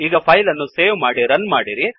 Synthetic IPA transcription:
iːɡɐpʰɐjlɐnːuseːʋmaːɽiɾɐnːmaːɽiɾi

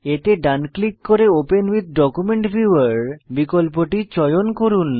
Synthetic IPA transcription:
et̪eɖanklikːoɾeopenwid̪ʱɖɔkumeɳʈfiaɾbikolp̬oʈit͡ɕɔjonkoɾun

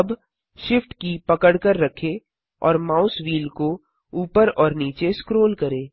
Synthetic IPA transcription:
ɐb | ʃɪfʈkipɐkəɽkəɾːɐkʰe | ɔ̰ːɾmaːʊsʋiːlko | uːpəɾɔːɾniːt͡ʃeskɾoːlkɐɾẽː

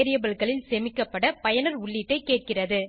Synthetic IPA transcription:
ɾɪjɐbɐɭkɐɭɪlsɛmɪkːɐpːɐɽɐpɐjɐnɐɾʊɭːɪʈːɐɪkːeːʈ̚kɪrɐðɯ

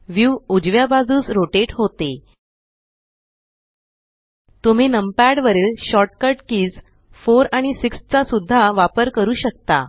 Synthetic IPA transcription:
ʋjuʋud͡ʑʋjabad͡zuːt͡sɾoʈeʈɦot̪e | t̪um̤inəmpaɽʋəɾiːlɕɔʈ̚kəɾʈkiːd͡z | foɾaɽ̃isikst͡sasud̪ʱːaʋapəɾkəɾuːɕək̚t̪a̰

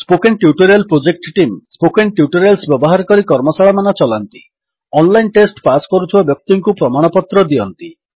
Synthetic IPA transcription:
spokenʈjuʈɔɾialpɾod͡ʒek̚ʈʈimspokenʈjuʈɔɾialsbjɔbɔɦaɾɔkɔɾikɔɾmɔsaɭɔmanɔt͡ʃɔlant̪i | ɔnlajnʈesʈpaskɔɾut̪ʰibabjɔk̚t̪iŋkupɾɔmaɽ̃ɔpɔt̪ɾɔd̪iɔnt̪i

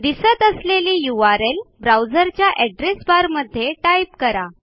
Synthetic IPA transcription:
d̪isət̪əsleliːjuʋaɾelbɾawd͡zəɾt͡ɕjaʔɛɖɾesbaɾməd̪ʱːjeʈajp̚kəɾa

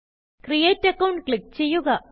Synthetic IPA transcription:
krijeːtːɐkːɐwɳɖ̚kɭik̚t͡ɕe̞jːuɣɐ

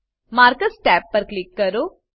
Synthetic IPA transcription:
maːɾkəsʈɛːpːəɾklɪkːəɾoː

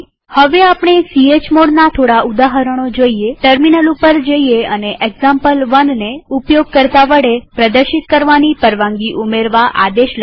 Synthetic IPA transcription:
həʋeapɳ̃esiet͡ʃmoɽnat̪ʰoɽaʔud̪aɦəɾəɽ̃od͡ʒoieʈəɾminəlupəɾd͡ʒoieəneʔeɡzãmpəlʋənneupjoɡ̚kəɾt̪aʋəɽepɾəd̪əɾʃit̪kəɾʋanipəɾʋãŋɡiʔumeɾʋaʔa̰d̪eʃl

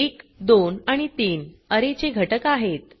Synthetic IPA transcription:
ekd̪onaɽ̃it̪iːnəɾet͡ɕeɡʱəʈəkaɦet̪

